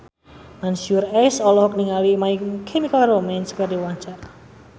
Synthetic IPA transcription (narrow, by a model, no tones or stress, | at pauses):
mansurɛsɔlɔhɔkniŋalimaikʰemikalromɛnskərdiwaɲt͡ʃara